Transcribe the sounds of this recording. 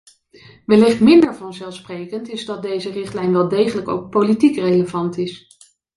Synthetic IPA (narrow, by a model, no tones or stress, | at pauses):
ʋɛlɪχtmɪndəɹvɑnzɛlˠfsprejkəntɪzdɑt̚dejzərɪχtlɛjnʋɛlˠdejχələko̰wk̚politikrejləvɑntɪs